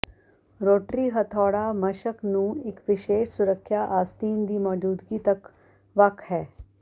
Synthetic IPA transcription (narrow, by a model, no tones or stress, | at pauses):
ɾoːʈɾiɦɐt̪ʰɔːɽamɐʃəknũːɪkʋɪʃeːʃsʊɾəkʰːjaʔaːst̪iːnd̪iːmɔːd͡ʒuːd̪ɡit̪ɐk | ʋɐkʰhɛː